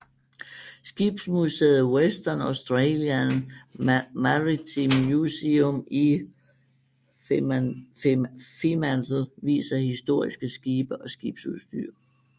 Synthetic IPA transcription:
sɡ̥ib̥smuseð̩ˠwesd̥ɐnɑʊsd̥ʁeljæn | mæʁit͡sʰimjuseomi | fimænd̥l̩ʋḭːsɐhisd̥o̝ɐ̰isɡ̥əsɡ̥iːb̥əʔɒ̽sɡ̥iːb̥suðˠsd̥y̰ɐ̰

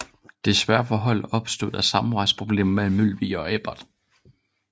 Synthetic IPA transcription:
d̥e̝sʋæɐfɒ̽ɦɒ̽l̰ɒ̽b̥sd̥o̝ð̩̰ˠæsɑ̈m̩ʁɑ̈ɪ̥spʰʁo̝b̥le̝̰ːmɐmemylʋḭːɒ̽eb̥ɐd̥

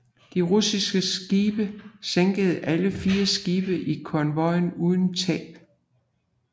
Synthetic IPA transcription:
d̥iʁusisɡ̥əsɡ̥iːb̥əseŋɡ̥əð̞̩ˠʔæləfiːɐsɡ̥iːb̥əʔikʰɒnʋɒ̽ɪnuːð̞ˠn̩t͡sʰɛ̰ːb̥

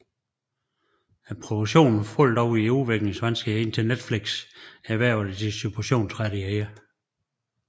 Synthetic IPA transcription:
æpʰʁod̥oɡ̥ɕo̝̰ːnn̩fɔl̰d̥ɒʊiuʋeɡ̥neŋsʋænsɡ̥əe̝nt͡sʰened̥fliɡ̥sæʋæɐ̰ʊðəd̥isupʰoɕo̝̰ːnsʰʁaɾ̥ieɪɐ

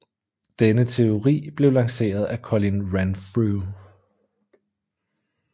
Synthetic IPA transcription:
d̥enət͡sʰe̝o̝ʁḭːb̥le̝ʊlɑ̈ŋse̝̰ːɐð̞ˠækʰɒlinʁænfʁu

